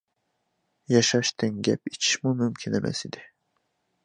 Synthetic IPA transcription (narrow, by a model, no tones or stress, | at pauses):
jɑʃɑʃt̪ʰiŋɡʲæpit͡ʃʰi̥ʃmumymcʲʰinemʔæ̰sid̪i